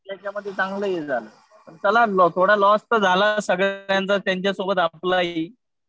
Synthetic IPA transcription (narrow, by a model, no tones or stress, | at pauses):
t̪jãt͡ɕaməd̪ʱːjet͡sãŋɡləjed͡zʱalə | pəɳt͡səlalɔt̪ʰoɽalɔst̪əd͡zʱalasəɡjãnt͡sat̪jaɲt͡ɕjasobət̪aplai